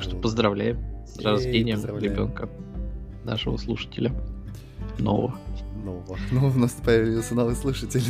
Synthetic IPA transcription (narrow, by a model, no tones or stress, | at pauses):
kʂt̪opəzd̪ɾɐvlʲæjɪmsrɐzvʲenʲɪjəmɾʲɪbʲo̞̰nkə | na̰ʂəvə̰slˠuʂə̥tʲɪlʲə | no̰və̰vənoənovəvnosʲt̪ʲpɐjavʲɪlʲɪjosʲənovɨslˠuʂətʲɪlʲ